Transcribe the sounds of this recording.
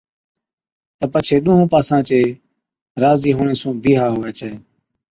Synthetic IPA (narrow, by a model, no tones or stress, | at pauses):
t̪əpət͡ʃʰeːɗũːɦũːpaːsãːt͡ʃeː | ɾaːziːɦoːɳeːsũːbʱiːɦaːɦoːeːt͡ʃəeː